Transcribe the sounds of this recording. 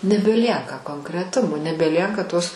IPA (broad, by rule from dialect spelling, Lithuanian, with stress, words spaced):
nʲɛbʲɛˈlʲiɛkɐ koːŋkrʲɛˈtʊmoː nʲɛbʲɛˈlʲiɛkɐ toːs